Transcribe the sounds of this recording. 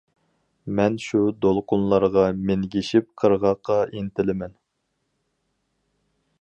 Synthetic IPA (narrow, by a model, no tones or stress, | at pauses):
mɛnʃud̪olˠqʰʊnlˠɑɾʁɑmenɡʲiʃɪp̚qʰəɾʁɑqʰːɑʔint̪ɪlɪmɛn